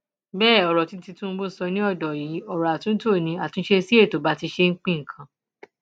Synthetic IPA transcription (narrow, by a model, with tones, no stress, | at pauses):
bɛː˦˨ɔ˨ɾɔ˨ti˦ti˧tũ˦˧˦bo˦sɔ˧nĩ˦ɔ˦˨dɔ˨ji˨˦ɔ˨ɾɔ˨a˨tũ˦n̩˦to˦˨nĩ˧˦a˨tũ˨˦n̩˦ʃe˧si˦e˦˨to˨ba˨˦ti˧ʃe˧ŋ̩˦k͡pĩ˦ŋ̩˨kʰã˧˦